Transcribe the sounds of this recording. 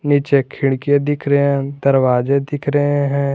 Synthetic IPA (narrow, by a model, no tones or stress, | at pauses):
niːt͡ʃekʰɪɽkẽd̪ɪkʰɾəɦɛ̃d̪əɾwaːd͡ʒed̪ɪkʰɾəɦẽɦɛ̃